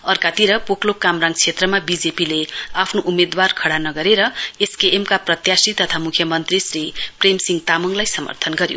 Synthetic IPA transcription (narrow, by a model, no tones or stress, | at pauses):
ʌrkat̪iɾʌpoklokːamraŋɡt͡sʰet̪rʌmabid͡zepileapʰnoʔumed̪warkʰʌɽanʌɡʌɾeɾʌeskeʔemkaprʌt̪jasrit̪ʌt̪ʰamukʰjʌmʌnt̪risripremsiŋt̪amʌŋlajsʌmʌ̰rt̪ʰʌnɡʌɾjo̰